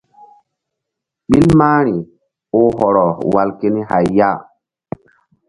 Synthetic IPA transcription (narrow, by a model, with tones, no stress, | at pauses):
ɓi˦lmaː˦ɾ̃i˨ | o˦ɦɔ˨ɾɔ˨wa˨lke˦ni˦ha˨jːa˦˨